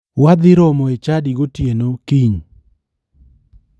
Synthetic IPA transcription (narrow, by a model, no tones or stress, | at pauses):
wad̪ɪɾɔmɔet͡ʃadiɡotjenokiɲ